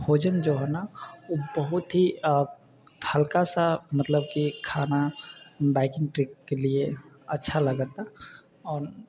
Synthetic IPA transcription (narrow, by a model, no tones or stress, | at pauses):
bʱoːd͡ʒənd͡ʒoɦɛnaobəɦʊt̪ɦi | hɐlkasamət̪ləb̚kikʰaːnabaːɪkɪ̃ŋɡʈɾɪkːelie | ɐtːʃʰalɐɡət̪a | ɔːɾ